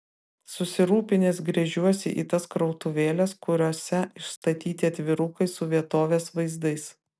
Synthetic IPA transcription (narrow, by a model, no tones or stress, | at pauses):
sʊsʲɪɾuːpʲɪnʲeːsɡɾʲɛʒʲuɔsʲɪʔḭːt̪ɐskɾɔʊt̪ʊʋʲeːlʲɛskʊɾʲoːsʲɛɪʃst̪ɐt̪ʲiːt̪ʲɪɐt̪ʲʋʲɪɾʊkɐɪsʊʋʲiɛt̪oːʋʲeːsʋɐɪzd̪ɐɪs